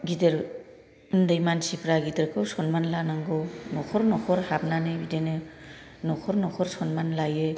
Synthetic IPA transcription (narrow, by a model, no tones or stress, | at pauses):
ɡidɯɾ | ɯndɯjmansipʰɾaɡidɯɾkʰɯwsɔnmanlanaŋɡɔnɔkʰɔɾnɔkʰɔɾhap̚nanɯjbidenɯ | nɔkʰɔɾnɔkʰɔɾsɔnmanlajɯ